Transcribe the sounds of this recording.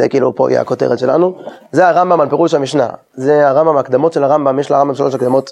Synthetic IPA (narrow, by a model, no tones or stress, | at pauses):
ḛkiːlṵpo̰jḛa̰koteʁet̪ʃela̰nuzeaʁambamalpeʁuʃamiʃna̰ | zeaʁambamaːkd̪amo̞tʃelaʁambamjeʃlaʁambamʃalo̞ʃakd̪amo̞t̪